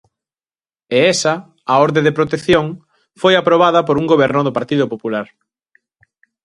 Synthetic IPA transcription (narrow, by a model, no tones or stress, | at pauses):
eɛsɐ | aoɾðeðepɾot̪eθjoŋ | fojapɾoβaðɐpoɾuŋɡoβ̞ɛɾnʊðʊpaɾt̪iðʊpopulaɾ